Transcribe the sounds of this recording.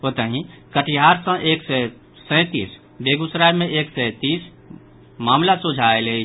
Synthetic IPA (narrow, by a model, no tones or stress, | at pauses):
ɦot̪əɦĩkəʈiɦaɾsə̃ʔeksɛ | sə̃t̪is | beɡusɾajmẽʔeksɛ̃t̪is | maːmlasud͡ʒʱaelei